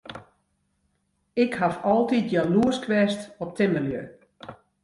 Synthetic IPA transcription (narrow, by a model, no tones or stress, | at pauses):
ɪkhafɔlˠtit̚jaluəskʰʋɛstɔp̚tʰɪməljø